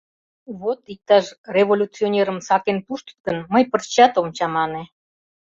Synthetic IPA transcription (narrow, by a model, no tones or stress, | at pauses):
βot̪ik̚t̪ɑʃrʲevolʲut͡sionʲeɾəmsɑkenpuʃt̪ə̥t̪kə̆nməjpərt͡ɕɑt̪omt͡ɕɑmɑne